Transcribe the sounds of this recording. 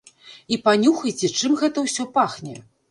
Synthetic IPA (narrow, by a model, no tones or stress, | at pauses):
ipanʲuxɐjt͡sʲɛt͡ʂɨmɣɛt̪ɐwsʲɔpaxnʲɛ